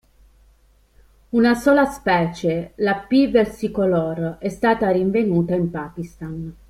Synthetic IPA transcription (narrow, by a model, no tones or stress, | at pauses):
unasoːlaspɛːt͡ʃelapivɛrsikolorɛst̪aːt̪ariɱvenuːt̪aimpaːk̟ist̪an